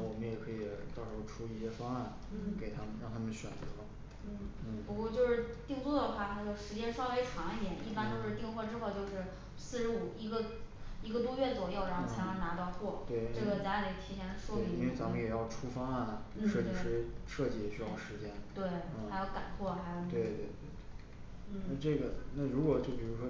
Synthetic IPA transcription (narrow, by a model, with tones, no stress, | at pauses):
wɔ˨˩mə˦jɛ˨˩kʰɤ˧˥i˨˩t̪ɑ˥˩ʊʂɻ̩˧˥xo˥˧ʊʈ͡ʂʰu˥i˥˩ɕjɛ˥fɑ˥ŋa˥˩n˩ | ke˨˩ɪt̪ʰa˥mə˨nɻɑ˥˩ŋt̪ʰa˥mə˨nɕɥɛ̰˨˩nt͡sɤ˧˥lə˧ | n̩˥˩n̩˥˩pu˧˥kwɔ˥˧t͡ɕjo˥˧ʊʂɻ̩˥˧t̪i˥˧ŋt͡swɔ˥˩d̪ə˩xwa˥˩a˥˩ɡə˩ʂɻ̩˧˥t͡ɕjɛ˥nʂwɑ˥nwe˧˥ɪʈ͡ʂʰwɑ˧˥ŋ˨˧˥d̪jɛ˨˩˦ni˥˩pa˥nt͡ɕjo˥˧ʊʂɻ̩˥˧t̪i˥˧ŋxwɔ˥˧ʈ͡ʂɻ̩˥xo˥˧ʊt͡ɕjo˥˧ʊʂɻ̩˥˩ | sɹ̩˥˩ʂɻ̩˧˥u˨˩i˧˥ɡə˧i˧˥ɡə˧t̪wɔ˥ɥɛ˥˩t͡swɔ˨˩jo˥˩ʊɻa˧˥xʊ˧˥jɑ˧˥na˧˥t̪ɑ˥˧ʊxwɔ˥˩t̪we˥˩ɪʈ͡ʂɤ˥˩ɡə˩t͡ɕja˧˥li˨˩˥t̪ʰi˧˥ɕjɛ˧˥nə˧ʂwɔ˥e˥˩˥i˥nwe˥˩ɪt͡sa˧˥mə˧jɛ˨˩jɑ˥˩ʊʈ͡ʂʰu˥fɑ˥ŋ˥a˥˩nə˩n̩˩ʂɤ˥˧t͡ɕi˥ʂɻ̩˥˩˥ʂɤ˥˧t͡ɕi˥˩jɛ˨˩ɕy˥jɑ˥˩ʊʂɻ̩˧˥t͡ɕjɛ˥nt̪we˥˩ɪ˧xa˧˥jo˧˥ʊka˨˩nxwɔ˥˩xa˧˥ɪjo˧ʊt̪we˥˩ɪt̪we˥˩ɪt̪we˥˩ɪt̪we˥˩˥ | n̩˥˩na˥˧ʈ͡ʂɤ˥˩ɡə˩na˥˩ɻu˧˥kwɔ˨˩t͡ɕjo˥˩ʊpi˨˩ɻu˧˥ʂɔ˥